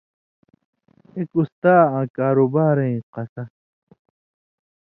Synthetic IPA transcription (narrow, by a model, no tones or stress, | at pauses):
ekust̪aːãːkaːɾubaːɾẽĩqɐsɐ